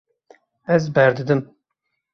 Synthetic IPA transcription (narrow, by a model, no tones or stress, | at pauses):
ɛzbɛɾd̪ɨd̪ɨm